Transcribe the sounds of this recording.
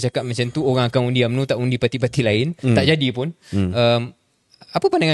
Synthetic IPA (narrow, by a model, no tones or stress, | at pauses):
t͡ʃakat̪̚mat͡ʃamt̪uoɣaŋakaŋundiamnũt̪aʔundipat̪ipat̪ilaɪnt̪aʔd͡ʒadipʊnəm | apəpandaŋã